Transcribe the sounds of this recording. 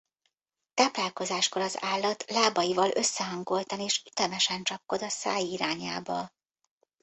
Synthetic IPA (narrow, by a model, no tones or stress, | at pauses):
t̪aːplaːlko̞zaːʃko̞lɒzaːlːɒt̪laːbɒjivɒlʔø̞sːɛɦɒŋɡo̞lt̪ɒneːʃyt̪ɛmɛʃɛnt͡ʃɒpko̞d̪ɒsaːjiɾaːɲaːbɒ